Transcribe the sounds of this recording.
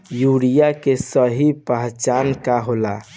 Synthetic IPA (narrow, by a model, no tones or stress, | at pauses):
juɽijakesəɦipəɦt͡ʃankaɦola